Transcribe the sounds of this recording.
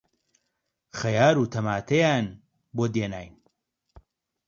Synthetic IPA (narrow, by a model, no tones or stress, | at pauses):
xɐjaːɾuːt̪ʰɐmaːt̪ʰejaːn | boːd̪eːna̰ːjn